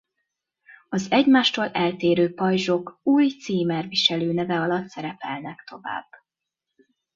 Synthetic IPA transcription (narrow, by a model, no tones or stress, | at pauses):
ɒzɛɟmaːʃt̪oːlɛlt̪eːɾøːpɒjʒo̞kuːjt̪siːmɛrviʃɛløːnɛvɛɒlɒt̪sɛɾɛpɛlnɛkt̪ʰo̞va̰ːb̥ː